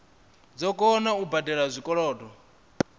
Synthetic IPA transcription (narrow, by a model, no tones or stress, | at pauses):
d͡zɔkʼɔnaubadɛɺazʷikʼɔɺɔːdʼɔ